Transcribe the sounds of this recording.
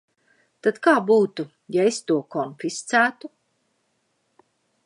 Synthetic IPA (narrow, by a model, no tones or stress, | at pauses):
t̪ad̪kaːbuːt̪u | jaest̪uɔkɔnfist̪sæːt̪u